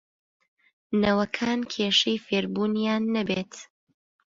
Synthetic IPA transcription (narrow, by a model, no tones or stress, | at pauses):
nɐwɐkʰaːnkʰeːʃejfeːɾbuːnjaːnːɐbeːt̪